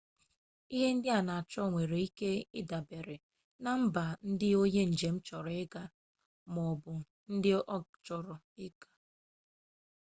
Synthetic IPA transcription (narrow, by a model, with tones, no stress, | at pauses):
i˦ɦe˦n̩˦dɪ˦a˨na˨a˨t͡ʃɔ˦˨ŋʷe˨ɾe˨i˦ke˦ɪ˦da˨be˨ɾe˨ | na˨m̩˦ba˨n̩˦dɪ˦o˦ɲe˦n̩˨d͡ʒe˨m̩˦t͡ʃɔ˨ɾɪ˦ɡa˦ | mɔ˨bʊ˨ | n̩˦dɪ˦ʔɔ˦t͡ʃɔ˨ɾɔ˨ | ɪ˦ɡa˨